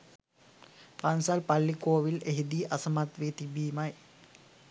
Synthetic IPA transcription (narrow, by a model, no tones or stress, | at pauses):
pansalpalːikoːʋileɦid̪iːʔɐsɐmat̪ʋeːt̪ibiːmaj